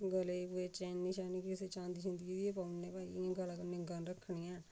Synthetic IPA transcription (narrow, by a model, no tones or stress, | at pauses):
ɡəleːpueːt͡ʃɛːnːiʃaːniːkɪseːt͡ʃãːnd̪iːʃə̃nd̪id̪ieːpaːnːẽːpaːḭãːɡalaːkənɪ̃ɡaːnɾəkʰːɳiːãː